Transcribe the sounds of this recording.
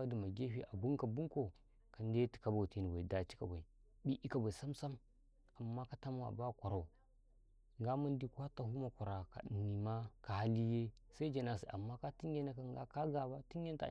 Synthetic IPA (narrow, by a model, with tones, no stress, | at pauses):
a˦di˨ma˨ɡe˦ɸi˦˨ʔa˨bu˦ŋka˨bu˦ŋko˨ | ka˨n˦de˦ti̥˨ka˨ba˨ti˦ni˨ba˨i˨da˨t͡ʃi̥˦ka̰˨ba˨i˨ | bi˦ʔi˦ka˨ba˨i˨sa˦msa˦m | a˨mːa˦ka˦ta˦m˦a̰˨ba˦˨kʷa˨ɾa˨u˨ | ŋɡa˦ma˦n˦di˦kʷa˦ta˨hu˦ma˨kʷa˨ɾa˨ka̰˨ɗi˨nːi˨ma˦ka˨ha˦li˦je˦sa˦i˦d͡ʒa˨na˨si˨ʔa̰˨mːa˦ka˦ti˦ŋ˦ɡe˦na˦ka˦˨ɡa̰˦ka˦ɡa˨ba˦ti˦je˦n˦ta̰˨